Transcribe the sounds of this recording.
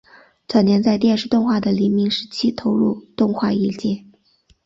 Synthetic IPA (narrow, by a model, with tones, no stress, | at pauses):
t͡sʰwa˧˩njɛ˧˥nt͡sa˥˧ɪt̪̬jɛ˥˧nʂɻ̩˥˧t̪ʊ˥˧ŋxwa˥˩d̪ə˩li˧˥nmi˧˥ŋʂɻ̩˧˥t͡ɕʰi˥t̪ʰo˧˥ʊɻu˥˧t̪ʊ˥˧ŋxwa˥˧i˥˩t͡ɕjɛ˥˩